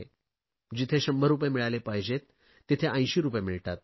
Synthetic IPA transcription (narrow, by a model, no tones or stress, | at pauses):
e | d͡ʑit̪ʰeɕəmbʱəɾupjemiɭalepajd͡ʑet̪ː | it̪ʰeʔə̃jɕiːɾupjemiɭʈat̪̚